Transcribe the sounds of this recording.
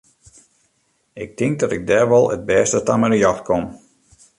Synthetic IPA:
ɪk̚tɪŋk̚dɔtɪk̚dɛːrʋɔlˠə̰d̚bɛːstətamərjɔxtkʰom

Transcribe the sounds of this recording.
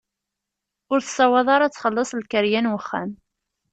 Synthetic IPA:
ʊɾθə̥sːɑwɑðˤɑɾˤɑt͡sːχəlːəsˤlkəɾjænwəχːæ̰n

